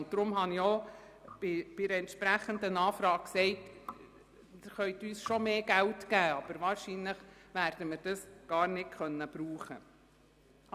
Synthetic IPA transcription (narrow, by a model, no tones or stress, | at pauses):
ʊnt̚d̥̪ɾʊmɦɑniɔ | b̥ɪb̥ɪdəɛntʃpɾæχənd̪ənɑːfɾɑːk̚ksɛɪt | χœʏt̪yːsʃɔmeːɡ̥æltɡæːɑb̥əɾʋɑːɾʃinləχʋæɾd̥əmɪɾd̥ɑsɡ̥ɑːɾnɪtkʰχœnːəb̥ɾuːχə